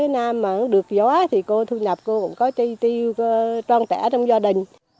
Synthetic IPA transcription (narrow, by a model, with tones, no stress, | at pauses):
e˨˦naː˧mːaː˨˩ʔə˨˧˦ɗɨ˨˩ək̚zɔ˨˦a˦t̪ʰi˨˩ko˧t̪ʰu˧ɲə˨˩p̚ko˧kʊ̰˧˥ŋ͡mkɔ˨˦t͡ɕi˧t̪i˧wt͡ɕwaː˧ŋt͡ɕɛ̰˧˩t͡ɕɔ˧wŋ͡mzaː˧ɗï˨˩ŋ̟